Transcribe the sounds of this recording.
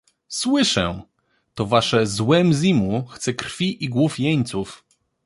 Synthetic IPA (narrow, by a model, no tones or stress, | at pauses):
swɘʂɛ̰ | t̪ɔvaʂɛzwɛmzʲimuxt̪sɛkɾfʲiʔiɡwufjeɲt̪suf